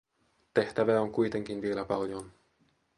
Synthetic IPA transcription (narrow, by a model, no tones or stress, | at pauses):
t̪e̞ht̪æʋæoŋkujt̪e̞ŋk̟inʋielæpɑljon